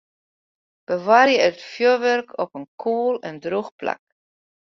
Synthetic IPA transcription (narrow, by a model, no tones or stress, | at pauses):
b̥əʋaːrjəətfjoʋørkʰɔpənkʰuːlɛndruxpla̰k̚